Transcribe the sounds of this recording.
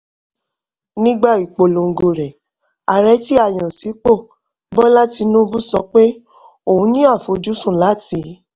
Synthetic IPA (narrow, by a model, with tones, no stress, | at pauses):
nĩ˦ɡ͡ba˦˨i˨k͡po˨lo˨ŋ̩˨ɡo˨ɾɛ˨ | a˨ɾɛ˨˧˦ti˦a˦˨j̃ã˨si˨˦k͡po˦˨ | bɔ˦la˦ti˧nũ˦bu˦sɔ˧k͡pe˦ | o˨hũ˨˦nĩ˦a˦˨fo˨˦d͡ʒu˦sũ˦˨la˨˦ti˧˦